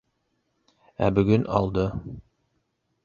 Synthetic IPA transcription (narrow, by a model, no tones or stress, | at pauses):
æ̰bɵ̆ɡɵnɑ̰lˠd̪ɤ